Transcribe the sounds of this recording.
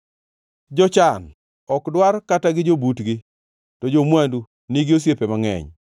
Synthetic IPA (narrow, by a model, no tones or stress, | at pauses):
d͡ʒɔt͡ʃan | ɔkdwarkataɡɪd͡ʒobutɡɪ | tɔd͡ʒomwandu | nɪɡɪos̬jepemaŋɛ̰ɲ